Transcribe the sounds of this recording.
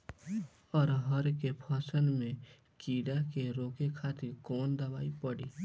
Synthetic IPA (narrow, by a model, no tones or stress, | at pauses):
ɔːɾɦəɾkepʰɔːsənmẽ | kiːɽakeɾoːkekʰaːt̪ɪɾkɔːnd̪əbaːipəɽiː